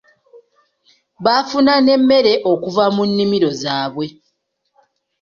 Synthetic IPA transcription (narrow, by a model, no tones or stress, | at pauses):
βafunane̞mːe̞ɾe̞ʔo̞kuvamunːimiɾo̞zaːβwe̞